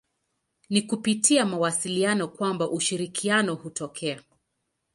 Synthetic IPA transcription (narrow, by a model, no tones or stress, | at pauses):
nikupitiamawasilianɔkwambaʔuʃiɾikʰianɔhutɔkʰɛa